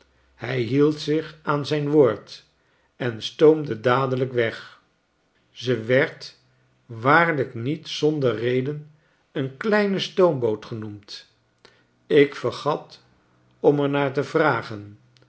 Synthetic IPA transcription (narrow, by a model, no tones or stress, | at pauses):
hɛjɦilˠtsɪχaːnzɛjnʋoːɹt | ɛnstowmdədaːdələkʋɛχ | zəʋɛɹt | ʋaːɹləknitsɔndərejdən | ənklɛjnəstowmbowtχənumt | ɪkfəɹχɑt | ɔmɛɹnaːɹtəvraːχən